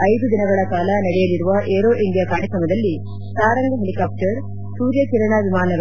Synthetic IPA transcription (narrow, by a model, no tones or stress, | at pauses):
ɐjd̪ud̪inɐɡɐɭɐkaːlɐnɐɽɛjɐliɾuʋɐʔeːɾoːʔind̪ijakaːɾjɐkɾɐmɐd̪ɐlːi | pɾaːɾɐŋɡɐɦelikaːp̚ʈɐɾ | suːɾjɐt͡ʃiɾɐɳaːʋimaːnɐɾ